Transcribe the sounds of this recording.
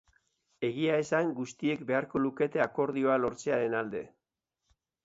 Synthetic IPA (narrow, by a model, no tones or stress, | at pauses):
e̞ɣiae̞saŋɡust̪ie̞kbe̞aɾko̞luke̞t̪e̞ako̞ɾðio̞alo̞ɾt͡se̞aɾe̞nald̪e̞̰